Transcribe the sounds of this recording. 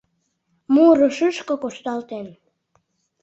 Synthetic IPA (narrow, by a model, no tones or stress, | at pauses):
muɾoʃɨʃkokoʃt̪ɑlt̪en